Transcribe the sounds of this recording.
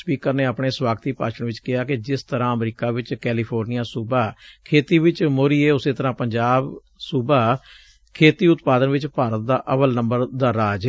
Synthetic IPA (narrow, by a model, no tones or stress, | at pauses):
spiːkəɾneːaːpɳeːswaːɡt̪iːpaːʃəɳʋɪt͡ʃkɪaːkɪd͡ʒɪst̪əɾãːəmɾiːkaːʋɪt͡ʃkɛːliːpʰoːɾnijaːsuːbaːkʰeːt̪iːʋɪt͡ʃmoːɾiːeːʊseːt̪əɾãːpəɲd͡ʒaːb | suːbaː | kʰeːt̪iːʊt̪paːd̪ənʋɪt͡ʃpaːɾət̪̚d̪aːʔəpəlnəmbəɾd̪aːɾaːd͡ʒ